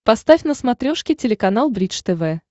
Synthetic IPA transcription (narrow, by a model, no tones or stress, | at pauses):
pɐst̪afʲnəsmɐt̪ɾʲoʂkʲɪtʲɪlʲɪkɐnalˠbɾʲit͡ʃt̪ɛvɛ